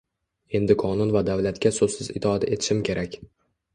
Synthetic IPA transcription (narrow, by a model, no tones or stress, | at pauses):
e̞nd̪ɪkʰɒnʊnvad̪avlat̪kʲasozsɪzɪ̰t̪ʰad̪aʔet̪ʰɪ̥ʃɪmkʲʰe̞ɾʔakʲ